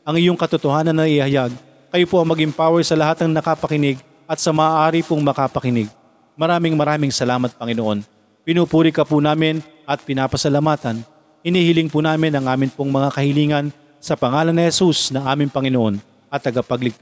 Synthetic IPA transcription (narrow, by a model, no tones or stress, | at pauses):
ʔɐŋɪjoŋkɐt̪ʊt̪ohaːnɐnːɐɪhɐjaɡ̚ | kɐjopoʔɐŋmɐɡɪmpaːwɛjsɐlɐɦat̪̚nɐŋnɐkapɐkɪnɪɡ | ʔɐt̪̚sɐmɐaːʔaːɾɪpoŋmɐkapɐkɪnɪɡ̚ | mɐɾaːmɪŋmɐɾaːmɪŋsɐlaːmɐt̪̚pɐŋɪnoʔo̞n | pɪnupuːɾɪkɐpʊnaːmɪn | ʔɐt̪̚pɪnaːpɐsɐlɐmaːt̪ɐn | hɪniːhɪlɪŋpunaːmɪnɐŋʔaːmɪnpoŋmɐŋakɐhɪliːŋɐn | sɐpɐŋaːlɐnːɪhɛsusnɐŋʔaːmɪŋpɐŋɪnoʔo̞n | ʔɐt̪ːɐɡapɐɡlɪɡ̪̚